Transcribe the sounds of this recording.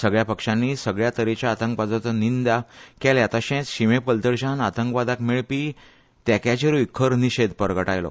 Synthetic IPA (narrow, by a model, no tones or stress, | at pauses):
səɡɭjapəkʂãnːisəɡɭjat̪əɾet͡ɕjaːt̪ə̃ŋkʋad͡zɔt̪ənind̪akɛljat̪aɕɛ̃t͡sɕimepkəlt̪əɾɕãnat̪əŋkʋad̪akmeɭpiː | t̪jakat͡ɕeɾuikʰːəɾniɕed̪pəɾɡəʈajlɔ̰